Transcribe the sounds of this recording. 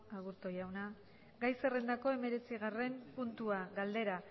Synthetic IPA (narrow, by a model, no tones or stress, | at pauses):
aɣuɾt̪o̞jawna | ɡajse̞re̞nd̪ako̞e̞me̞ɾe̞t͡siɣ̞are̞mpunt̪uaɣald̪e̞ɾa